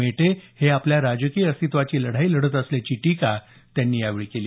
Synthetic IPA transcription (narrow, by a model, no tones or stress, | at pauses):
eʈeheapljaɾad͡zəkiəst̪ʰit̪ʋat͡ɕiːləɽ̤aiːləɽət̪əslat͡ɕiːʈika | t̪janːiːaʋiɭkeliː